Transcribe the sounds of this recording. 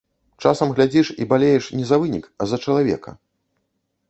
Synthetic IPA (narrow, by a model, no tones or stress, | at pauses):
t͡ʂa̰sɐmɣlʲad͡zʲiʂḭbalʲejɛʂnʲɛzɐvɨnʲikɐzɐt͡ʂɐlˠavʲɛ̰kɐ̰